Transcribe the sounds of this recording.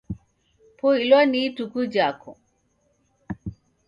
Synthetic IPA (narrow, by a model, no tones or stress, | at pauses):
pʰoilwanitukud͡ʒakʰɔ̰